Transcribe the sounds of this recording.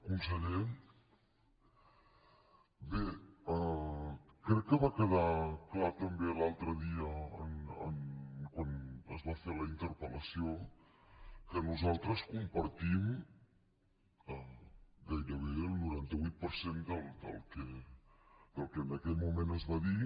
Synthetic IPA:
kunsəʎɛn | beə | kɾɛkːəβakəð̞aklat̪əmbelalˠt̪ɾəðiəənənkwanəzβafeləint̪əɾpələsio | kənuzalˠt̪ɾəskumpəɾt̪im | əɡajɾəβ̞eəlˠnuɾant̪əβujt̪̚pəɾsend̪əlˠd̪ə̰lˠke | d̪əlˠkəənəkɛʎmumenəzβaði

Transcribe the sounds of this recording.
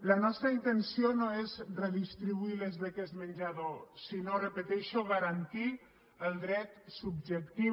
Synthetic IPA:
lanɔst̪ɾaint̪ensionoezreðist̪ɾiβuilezβekesmənʲd͡ʒaðosinorepet̪ɛʃoɣaɾant̪i | əlˠd̪ɾɛt̪sub̚ʒek̚t̪i

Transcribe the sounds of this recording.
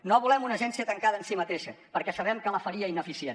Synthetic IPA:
noβulɛmunəʒɛnsiət̪əŋkaðəːnsimət̪eʃəpəɾkɛsəβɛmkələfəɾiəinəfisjen

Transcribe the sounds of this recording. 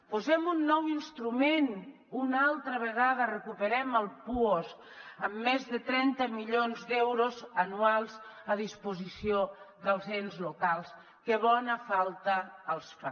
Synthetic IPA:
puzɛmunːɔwinst̪ɾumen | unalˠt̪ɾəβəɣ̞aðərəkupəɾɛməlˠpuoz | əmːezðət̪ɾɛnt̪əmiʎonzd̪ɛwɾozənualˠzəðispuzisioðəlˠzenzlukalˠs | kəβɔnəfalˠt̪əːlˠsfa

